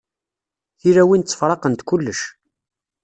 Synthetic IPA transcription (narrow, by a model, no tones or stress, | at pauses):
θiɾæwint͡sːə̥fɾˤɑqənt̪kulːəʃ